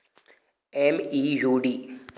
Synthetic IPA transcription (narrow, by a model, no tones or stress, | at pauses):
emijuːɖi